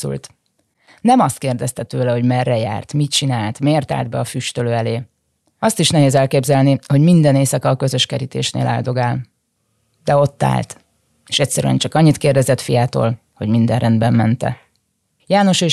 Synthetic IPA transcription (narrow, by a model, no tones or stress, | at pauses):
ṵlt̪ | nɛmɒst̪̚keːrd̪ɛst̪ɛt̪øːlɛho̞ɟmɛrːɛja̰ːrt̪mit̪t͡ʃinaːlt̪meːrt̪a̰ːld̪̚bɛɒfyʃt̪øløːɛleː | ɒst̪iʃnɛɦeːzɛlkeːbzɛlniho̞ɟmind̪ɛneːsɒkɒːkø̞zø̞ʃkɛɾit̪ḛːʃnḛːlʔa̰ːld̪o̞ɡaːl | d̪̥ɛo̞t̪ːa̰ːlt̪ | eːʃɛcʲsɛɾyɛ̰nt͡ʃɒkɒɲːit̪keːrd̪ɛzɛt̪fijaːt̪o̰ːl | ho̞ɟmind̪ɛnrʔɛnd̪bɛmːɛnt̪ɛ̰ | jaːno̞ʃe